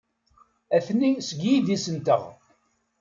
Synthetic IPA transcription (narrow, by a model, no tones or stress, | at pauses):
æθnisəɡjiðisənt̪əʁ